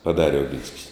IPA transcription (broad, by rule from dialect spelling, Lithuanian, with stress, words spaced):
pɐˈdɑːrʲɛ oːˈɡʲɪnʲsʲkʲɪs